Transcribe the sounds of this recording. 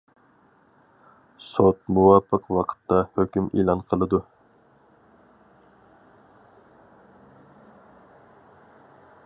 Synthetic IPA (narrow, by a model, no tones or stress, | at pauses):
sot̪̚muwɑpʰːəqwɑqʰə̥t̪ʰːɑhøkʲymḭlˠɑnqʰəlˠɨd̪u